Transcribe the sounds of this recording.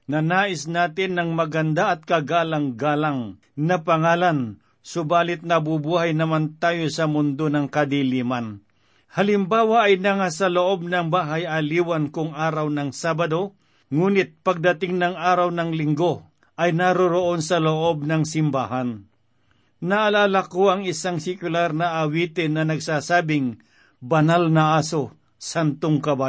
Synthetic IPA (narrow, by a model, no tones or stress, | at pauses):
nɐnaːʔɪsnaːt̪ɪnːɐŋmɐɡand̪aɐt̪̚kɐɡaːlaŋɡaːlaŋ | nɐpɐŋaːlan | sʊbaːlɪt̪̚nɐbʊbuːhajnɐmant̪aːjosɐmʊnd̪onɐŋkɐd̪iliman | halɪmbaːwaːjnɐŋasɐloʔob̚nɐŋbaːɦajɐliːwankʊŋʔaːɾawnɐŋsaːbad̪o | ŋuːnɪt̪̚pɐɡ̚d̪ɐt̪ɪŋnɐŋaːɾawnɐŋlɪŋɡo | ʔɐjnaɾʊɾoʔonsɐloʔob̚nɐŋsɪmbaːɦan | nɐʔːlaːlakoɐŋɪsaŋsɪkʊlaɾnɐʔːwiːt̪ɪnːɐnɐɡsaːsaːbɪŋ | bɐnalnɐaːso | sant̪oŋkɐbaː